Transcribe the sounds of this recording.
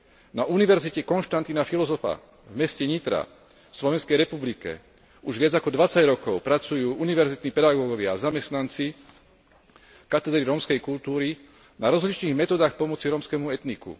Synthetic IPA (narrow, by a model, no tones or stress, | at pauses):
naʔuniʋɛɾzicɛkɔnʃt̪ant̪inafilɔzɔfa̰ | vmɛscɛɲit̪ɾa̰ | fslɔʋɛnskɛjɾɛpublikɛ̰ | uʒʋɪad͡zakɔd̪ʋat͡saɟɾɔkɔʊpɾat͡sujuːʔuniʋɛɾzit̪nipɛd̪aɡɔːɡɔʋɪaːzamɛst̪nant͡si | kat̪ɛd̪ɾiɾɔːmskɛjkult̪uːɾi | naɾɔzɦlit͡ʃniːɣmɛt̪ɔːd̪aːxpɔmɔt͡siɾɔːmskɛmuɛt̪nikṵ